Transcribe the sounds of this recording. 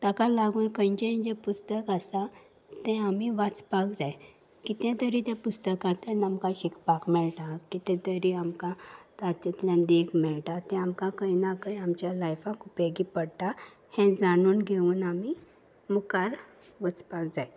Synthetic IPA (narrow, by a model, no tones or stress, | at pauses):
t̪əkalaɡuːnkə̃jɲt͡ɕẽɲd͡ʑepust̪əkasa | t̪ɛ̃amiʋət͡spak̚d͡zaj | kit̪ɛ̃t̪əɾiːt̪jãpust̪əkãt̪ɛ̃nəmkãɕikpakmɛɭʈ̪ãkːit̪ɛ̃t̪əɾiamkãt̪aɾt͡ɕet̪ljãnd̪eɡmɛɭʈat̪ɛ̃amkãkəjnakəamt͡ɕjalajfãkupeɡipəɽʈ̪a | hɛ̃d͡zaɽ̃uːnɡʱeuːnami | mukaɾ | ʋət͡spakd͡zaj